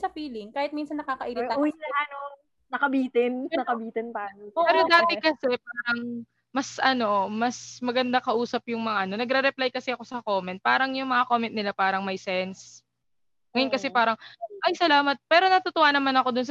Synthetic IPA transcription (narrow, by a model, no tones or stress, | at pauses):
sɐfiːlɪŋkaːhɪt̪̚minsɐnːɐkaːkɐʔiɾɪwɪɐlaːno | nɐkɐbiːt̪ɪnnɐkɐbiːt̪ɛnpaːnoopɛːɾod̪aːt̪ɛkɐsɛpaːɾɐŋ | mɐsʔɐno̞mɐsmɐɡɐnd̪akɐʔuːsɐpjʊŋmɐŋaʔɐno̞nɐɡɾɛɾɛplajkɐsɛɐko̞sɐko̞ːmɛnt̪̚paːɾɐŋjʊŋmɐŋakoːmɛnt̪̚nɪlapaːɾɐŋmɐjsɛns | ŋɐjʊnkɐsɛpaːɾɐŋʔɐjsɐlaːmɐt̪̚pɛːɾo̞nɐt̪ʊt̪owaːnɐmanɐko̞d̪ʊns